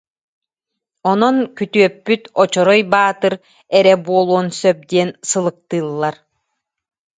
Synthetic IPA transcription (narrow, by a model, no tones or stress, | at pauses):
ɔnɔŋkyt̪yœpːyt̪ɔt͡ɕɔɾɔjbaːt̪ɯɾ | ɛɾɛbuɔlˠuɔnsœp̚d̪iɛnsɯlˠɯk̚t̪ɯːlˠːaɾ